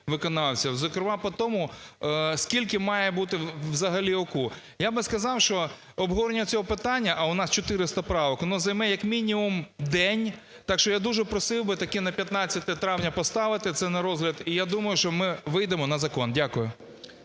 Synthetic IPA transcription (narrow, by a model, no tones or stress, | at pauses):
ʋɪkɔnɑwsʲɐzɐkɾɪmɑpɔt̪ɔmʊ | skʲilʲkɪmɑjɛbut̪ɪwzɐɦɐlʲiɔku | jabɪskɐzɑwʃt͡ʃɔ | ɔbɦɔʋɔɾenʲɐʊt͡sʲɔɦɔpɪt̪ɑnʲːɐʔɐʊnɑst͡ʃɔt̪ɪɾɪst̪ɐpɾɑʋɔknɔzɐjmɛjɐkmʲinʲimumd̪ɛnʲ | t̪ɑkʃt͡ʃɔjad̪uʒɛpɾɔsɪwbɪt̪ɐkɪnɐpʲjɐt̪nɑt͡sʲːɐt̪ɛt̪ɾɑwnʲɐpɔst̪ɑʋɪt̪ɪt̪sɛnɐɾɔzɦlʲɐd̪ijad̪umɐjʊʃt͡ʃɔmɪʋɪjd̪emɔnɐzɐkɔndʲakʊjʊ